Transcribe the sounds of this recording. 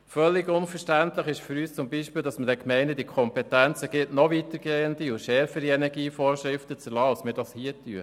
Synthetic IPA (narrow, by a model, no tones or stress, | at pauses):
fœlːɪɡʊnfəʃtænt̪ləχɪʃfyɾyːst͡sʊmbiːʃpiːldɑsmədɛkmɛɪnəd̥ikʰɔmpɛtænt͡səɡ̥ɪtnɔvit̪əɾɡ̥eːənd̥̪iʊʃɛɾfəɾiɛnɛɾɡiːfɔːɾʃɾɪftət͡səɾlɑːɑlsmɪːɾd̥ɑshiːəty̰ə